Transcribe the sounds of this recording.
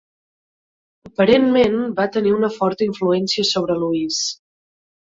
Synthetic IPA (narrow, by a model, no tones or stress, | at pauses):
əpəɾenmenbat̪əniunəfɔɾt̪əiɱfluɛnsiəsoβ̞ɾəluis